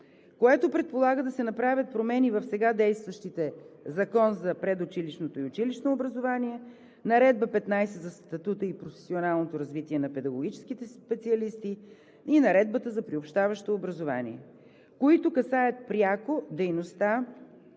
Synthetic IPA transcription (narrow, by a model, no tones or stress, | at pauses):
koɛt̪opɾɛt̪̚polˠaɡəd̪ɐsɛnɐpɾavʲɐt̪̚pɾomɛnivɐfsɛɡad̪ɛjst̪vəʃt̪it̪ɛzɐkɔnzɐpɾɛd̪ʊt͡ʃiliʃnot̪oiʊt͡ʃiliʃnoːbɾɐzovaniɛ | nɐɾɛd̪̚bəpɛt̪najsɛzɐst̪ɐt̪ut̪əipɾofɛ̥sionalˠnot̪oɾɐzvit̪iɛnɐpɛd̪ɐɡoɡʲit͡ʃɛ̥sk̟it̪ɛspɛt̪siɐlist̪i | inɐɾɛd̪̚bət̪əzɐpɾiopʃt̪avəʃt̪oːbɾɐzova̰nḭɛ̰ | koit̪okɐsajət̪̚pɾʲjakod̪ɛjnost̪a